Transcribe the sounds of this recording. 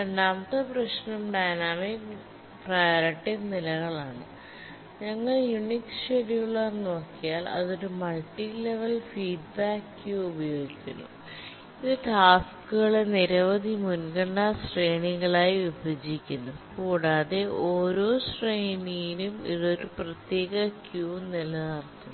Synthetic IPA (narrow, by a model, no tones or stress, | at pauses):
ɐnamt̪ɐprɐɕnɐmɖajnaːmik | prɐjoːɾɐʈːiɡnilɐɣɐɭaːɳɨ | ɲɐŋːɐɭjunikʂeɾijuɭːɐno̞ːkːijaːlɐ̰ðo̞ɾumɐɭʈileʋɐlfiːɖ̚baːkːɨubɐjo̞ːɡikʲːunːṵ | iðɨʈaːskːɨɣɐɭe̞niɾɐʋɐðimunɡɐɳɖɐsreːɳiŋɐɭaːjiibʱɐd͡ʑikʲːunːɐðkuːɽaːðe̞ʔo̞ːɾo̞ːsrejnijinumḭðo̞ɾuprɐt̪je̞ːɣɐkjuːnilɐnɐrt̪ːu